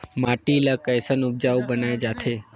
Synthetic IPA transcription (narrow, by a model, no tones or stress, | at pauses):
maʈilakəjsənub̚d͡ʒaʋubənajd͡ʒat̪ʰe